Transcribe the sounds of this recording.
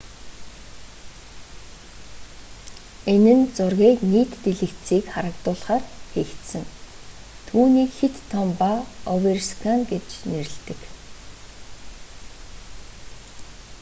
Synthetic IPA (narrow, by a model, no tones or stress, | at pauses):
enɘ̆nt͡sʊrɣeːkniːt̪ːeɮɘ̆kt̪siːkχaɾə̆kt̪ʊːɮχaːrxeːxt̪sɘ̆ŋ | t̪ʰuːniːkxet̪ʰːɔmpaɔwerskʰaŋɡet͡ɕneɾɘ̆ɮt̪ɘ̆k